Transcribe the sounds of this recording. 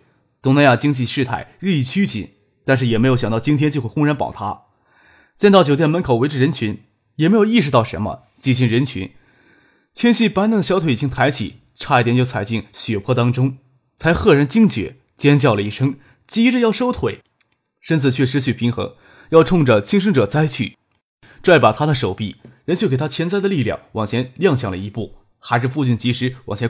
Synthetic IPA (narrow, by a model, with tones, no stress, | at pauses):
t̪ʊ˥ŋna˧ja˥˩t͡ɕi˥ŋt͡ɕi˥˧ʂɻ̩˥˧t̪ʰa̰˥˩ɪɻɻ̩i˥˧i˥˩t͡ɕʰy˥t͡ɕḭ˨˩˦n | t̪a˥˧nʂ̬ɻ̩˥˩jɛ˨˩m˧˥ɪjjɑ˨˩ŋt̪ʊt͡ɕi˥nʰjɛ˥nt͡ɕi˥˧xwxʊ˥ŋɻa˧˥npɑ̰˨˩ʊt̪ʰa̰˥ | t͡ɕjɛ˥˧nt̪ɑ˥˩t͡ɕjo˨ʊt̪jɛ˥˩nmə˧˥nkʰo˨˩ʊwe˧˥ɪʈ͡ʂɻ̩˥˩ɻə˧˥nt͡ɕʰy˧˥n | jɛ˨˩me˧˥ɪjo˨˧ʊi˥˩ʂɻ̩˧t̪ɑ˥˩ʊʂə̰˧˥nmə̰˧ | t͡ɕi˥˩ɕ̬i˥˩ŋɻə˧˥nt͡ɕʰy̰˧˥n | t͡ɕʰjɛ˥nɕi˥˩pa˥n˧˥˩d̪ə˩ɕjɑ˥t̪ʰwɪi˨˩t͡ɕi˥ŋt̪ʰa˧˥ɪt͡ɕʰḭ˨˩˦ | ʈ͡ʂʰa˥˧i˥˩t̪jɛ˧˥nt͡ɕjo˥˩ʊt͡sʰa˨˩ɪt͡ɕi˥˩ŋɕɥɛ˨˩pʰwɔ˥˩t̪ɑ˥ŋʈ͡ʂʊ˥ŋ | t͡sʰa˧˥ɪxɤ˥˩ɻə˧˥nt͡ɕi˥ŋt͡ɕɥɛ̰˨˩˦ | t͡ɕjɛ˥nt͡ɕjɑ˥˩ʊlə˩i˥˩ʂɤ˥ŋ | t͡ɕi˥ʈ͡ʂə˧jɑ˥˩ʊʂo˥ʊt̪ʰwe˨˩˦ɪ | ʂə˥nt͡sʰɹ̩˥˩t͡ɕʰɥɛ˥˩ʂ̬ɻ̩˥ɕʰy˥˩pʰi˧˥ŋxɤ̰˧˥ŋ | jɑ˥˧ʊʈ͡ʂʰʊ˥˧ŋʈ͡ʂə˩t͡ɕʰi˥ŋʂ̬ɤ˥ŋʈ͡ʂɤ˨˩t͡sa˥ɪt͡ɕʰy̰˥˩ | ʈ͡ʂwa˥˩ɪpa˨˩t̪ʰa˥d̪ə˨ʂo˨˩ʊpi˥˩ɻə˧˥nt͡ɕjke˨˩t̪ʰa˥t͡ɕʰjɛ˧˥nt͡sa˥˧ɪd̪ə˧li˥˧ljɑ̰˥˩ŋwɑ˨˩ŋt͡ɕʰjɛ˧˥nljɑ˥˧ŋɕjɑ˥˩ŋlə̰˩i˧˥pu˥˩ | xa˧˥ɪʂɻ̩˥˧fu˥˧t͡ɕy˥˩nt͡ɕi˧˥ʂɻ̩˧˥wɑ̰˨˩ŋt͡ɕʰɛ˧˥